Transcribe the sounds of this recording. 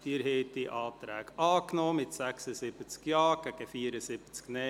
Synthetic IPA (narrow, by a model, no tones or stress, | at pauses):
d̪̥iːɾɦɛːt̪iʔɑːt̪ɾæːɡɑːknɔːmɪtsæksəsɪb̥ət͡skjɑːɡ̥ɛɡ̥əfiːəɾəsɪbət͡sknɛ